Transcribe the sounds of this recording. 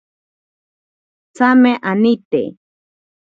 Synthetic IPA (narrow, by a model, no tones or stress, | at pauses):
t͡sameʔanɪt̪ḛ